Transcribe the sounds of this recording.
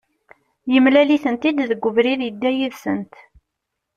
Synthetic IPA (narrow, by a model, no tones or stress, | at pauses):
jəmlæliθənt̪id̪ðəɡʷːʊvɾiðjəd̪ːæjiðsənt̪